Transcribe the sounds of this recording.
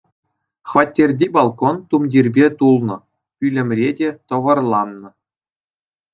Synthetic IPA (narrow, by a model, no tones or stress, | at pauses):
χʋɑtʲːerʲdʲibɑlˠkont̪umdʲirʲbʲet̪ulˠnɤ̆ | ylʲɘ̆mʲrʲedʲet̪ɤ̆ʋɤ̆rlˠɑnːɤ̆